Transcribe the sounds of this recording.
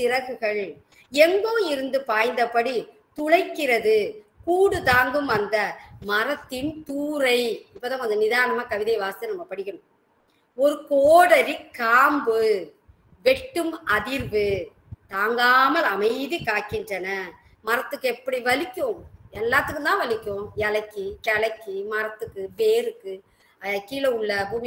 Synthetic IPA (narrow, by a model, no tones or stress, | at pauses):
t̪ɪɾɐɣɯɣɐɭ | ɛŋɡoːɪɾɯnd̪ɯpaːjnd̪ɐpːɐɽi | t̪ʊɭɐɪkːɪrɐðɯkuːɽɯt̪aːŋɡɯmɐnd̪ɐmɐɾɐt̪ːɪnt̪uːɾɐɪɪpːoːðãːmɐnðɐnɪðaːnɐmaːkɐʋɪðɐɪʋaːst̪ɐnɐmːɐpɐɽɪɣɪɳɯm | ɔɾɯkoːɽɐɾɪkːaːmbɯ | ʋɛʈːɯmɐðɪɾʋɯ | t̪aːŋɡaːmɐlɐmɐɪðikaːʈkːɪndrɐnɐ | mɐɾɐt̪ːɯkːɯɛpːɐɽiʋɐlɪkʲːõɛlːaːt̪ːɯkːɯt̪ãːʋɐlɪkʲːõjɛlɐkːikɐlɐkːimɐɾɐt̪ːɯkːɯpeːɾɯkːɯ | ɐkːiːlɐʊɭːɐbuːm